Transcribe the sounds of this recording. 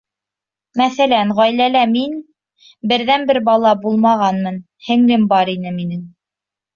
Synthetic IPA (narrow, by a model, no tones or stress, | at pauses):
mæθælænʁɑjlælæmin | bɘ̆ɾðænbɘɾbɑlˠɑbulˠmɑʁɑnmɤn | hɘ̆ŋlɘmbɑɾinɘminɘŋ